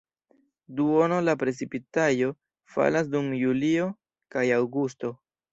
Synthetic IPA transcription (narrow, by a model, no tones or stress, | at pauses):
duo̞nolapɾe̞t͡sipitajo̞ | fa̰las̬dumjulio̞ | kajawɡusto̞